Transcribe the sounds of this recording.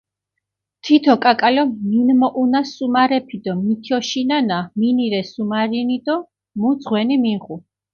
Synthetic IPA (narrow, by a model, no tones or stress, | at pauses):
t̪ʰit̪ʰɔkʼakʼalɔminmɔʔunasumaɾɛpʰid̪ɔmit̪ʰiɔʃinanaminiɾɛsumaɾinid̪ɔ | mud̪zʁwɛnimiʁu